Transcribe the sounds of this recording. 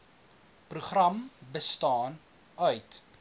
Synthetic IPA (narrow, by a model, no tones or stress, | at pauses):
pruχrɐmbəstɑːn | œɥt